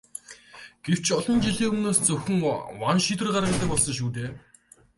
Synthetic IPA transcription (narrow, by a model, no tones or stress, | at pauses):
ɡ̥ew̥t͡ɕʰɔɮɞ̆nt͡ɕiɮiːɵmnoːst͡sɵxɵ̆ŋwanʃit̪̬wɘ̆rɢaɾʁə̆kt̪ə̆k̚pɔɮsɞ̆ŋʃ̬uːt̪̬eː